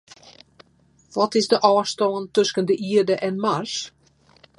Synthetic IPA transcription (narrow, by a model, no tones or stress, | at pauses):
ʋɔtɪsdəʔɑːstɔːntɵskəndəʔiədəʔɛnmars